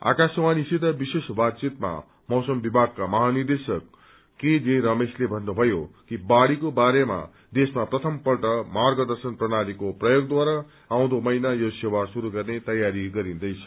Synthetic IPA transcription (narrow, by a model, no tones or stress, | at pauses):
a̰kaswanisit̪ʌbisesbat̪t͡sit̪ma̰ | mʌwsʌmbibʱaɡ̚kːamʌɦanird̪esʌkː | ed͡zĩɾʌmeslebʱʌnːubʱʌjokibaɽikobaɾema̰ | d̪esmaprʌt̪ʰʌmpʌlʈʌmarɡʌd̪ʌrsʌnprʌnaɾikoprʌjoɡ̚d̪waɾa | aw̃d̪omʌjnajosewarsuɾuɡʌrnet̪ʌjaɾiɡʌɾind̪ʌjt͡sʰʌ̥